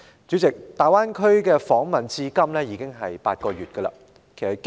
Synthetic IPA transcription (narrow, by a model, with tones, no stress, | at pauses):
t͡sy˨˥t͡sɪ˨k̚t̪aː˨˩jwaː˥nkʰɵ˥ɥkɛː˧fɔː˨˥ŋmɐ˨nt͡siː˧kɐ˥mlɛː˥jiː˨˧kɪ˥ŋɦɐ˨jpa̰ː˧t̚kɔː˧ɥyː˨t̚kə˧lɐ̰˧ | kʰe˨˩jsɐ˨˩t̚k